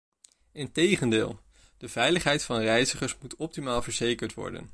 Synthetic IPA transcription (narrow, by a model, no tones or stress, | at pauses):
ɪntejχəndɪ̰ːlˠ | d̥əv̥ɛjləχɦɛjtfɑnrɛjzəχəsmutɔp̚timaːlˠvəɹzejkəɹtʋɔ̰ɹdə̰n